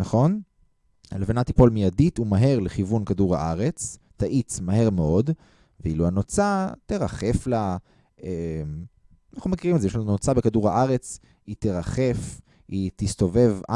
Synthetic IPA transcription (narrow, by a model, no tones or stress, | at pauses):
naχo̞n | levenat̪ipo̞lmijadit̪umaɦe̞ʁleχivunkaduʁha̰ʔaʁe̞t͡sː | aʔit͡smaɦe̞ʁmeo̞d | veiluanot͡sat̪eʁaχe̞fla | em | naχnumekiʁimetzejeʃlanunot͡sabe̞kaduʁhaʔaʁe̞t͡s | it̪eʁaχe̞f | it̪ist̪o̞ve̞va